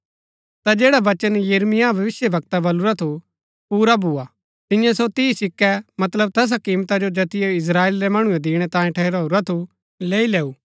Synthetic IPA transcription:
t̪ad͡ʒeːɽaʋɐt͡ʃənjɐɾmɪjabʱɐʋɪsjəbʱɐk̚t̪abɐluɾat̪ʰu | puːɾabʱua | t̪ɪ̃jãsot̪ɪisɪkːɛmɐt̪ləb̚t̪ɛs̬akiːmt̪ad͡ʒod͡ʒɐt̪ɪjeɪs̬ɾaːeːlɾɛmɐɽ̃uɛd̪iːɽ̃ɛt̪ãːjĩʈʰɛɦɾaːuɾat̪ʰu | leːileːu

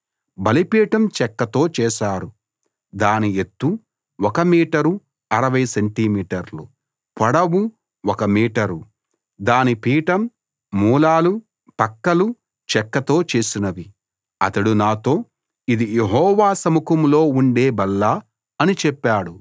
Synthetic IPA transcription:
bɐlipiːʈɐmt͡ʃɛkːɐt̪o̞ːt͡ʃɛːʃaːɾu | d̪aːniet̪ːu | wɔkɐmiːʈɐɾu | ɐɾɐʋɐjseɳʈimiːʈɐɾlu | pɐɽɐwu | wɔkɐmiːʈɐɾu | d̪aːnipiːʈɐmː | uːlaːlu | pɐkːɐlu | t͡ʃɛkːɐt̪o̞ːt͡ʃeːsinɐʋi | ɐ̰t̪ɐɽunaːt̪o̞ː | id̪ijeɦɔːʋaːsɐmukɐmlo̞ːuɳɖeːbɐlːaː | ɐnit͡ʃɛpːaːɽu

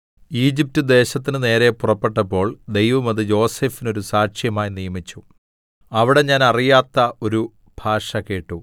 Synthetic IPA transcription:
iːd͡ʑip̚tɨd̪e̞ːɕɐt̪ːinɨne̞ːɾe̞purɐpːe̞ʈːɐpːo̞ːɭd̪e̞jʋɐmɐðɨjo̞ːse̞ːfino̞ɾusaːʂjɐmaːjinijɐmit͡ɕːu | ɐʋiɽe̞ɲaːnɐrijaːt̪ːɐʔo̞ɾu | b̥ʱaːʂɐkeːʈːu

